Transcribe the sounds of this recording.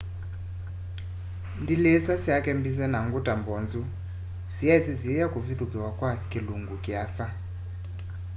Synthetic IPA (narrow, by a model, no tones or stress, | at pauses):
ndilɛsasiakʼembis̬ɛnaŋɡutʼambɔnd͡zu | zijaisiziɛjakuviθukʼiwakʼwakʼiluŋɡukʼiaːsa